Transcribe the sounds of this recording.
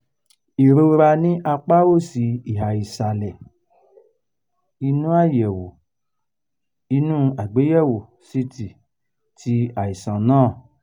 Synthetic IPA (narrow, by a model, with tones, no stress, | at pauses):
i˨ɾo˧ɾa˧nĩ˦ʔa˧k͡pa˦wo˦˨si˨˦i˦˨ɦa˨i˨sa˨lɛ˨ | i˧nũ˦a˦˨jɛ˨wo˨ | i˧nũ˦a˨ɡ͡be˨˦jɛ˦˨wo˨ | si˧˦ti˨ | tʰi˨˦a˨i˨sã˨nãː˦˨